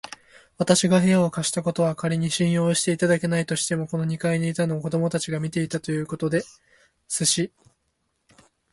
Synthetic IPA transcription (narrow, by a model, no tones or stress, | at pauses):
βat̪aɕiɡaɦe̞jao̞kaɕi̥t̪ako̞t̪o̞β̞akaɾʲiɲ̟iɕĩɰ̃jo̞ːɕi̥t̪e̞it̪ad̪ake̞nait̪o̞ɕi̥t̪e̞mo̞ko̞no̞ɲ̟ikaiɲiit̪anoko̞d̪o̞mo̞t̪at͡ɕiɡamʲit̪e̞it̪at̪o̞jɯ̟ːko̞t̪o̞d̪e̞ | sɨɕi